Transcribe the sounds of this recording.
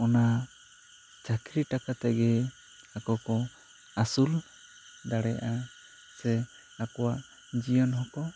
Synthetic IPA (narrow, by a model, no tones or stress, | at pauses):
ɔna | t͡ʃakɾiʈakat̪ɛɡɛ | akɔkɔ | asul | d̪aɽɛja̰ʔa | sɛ | akɔwaʔ | d͡ʒijɔnɦɔkɔ